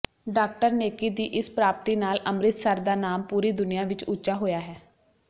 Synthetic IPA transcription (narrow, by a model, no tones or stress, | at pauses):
ɖaːk̚ʈəɾneːkiːd̪iːʔɪspɾaːp̚t̪iːnaːlʔəmɾɪt̪səɾd̪aːnaːmpuːɾiːd̪ʊnɪjãːʋɪt͡ʃʊːʃaːɦoːjaːɦɛː